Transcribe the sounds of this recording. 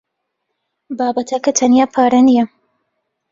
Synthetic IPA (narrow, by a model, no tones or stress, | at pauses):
baːbɐt̪ʰɐkɐt̪ʰɐnjaːpʰaːɾɐnijɐ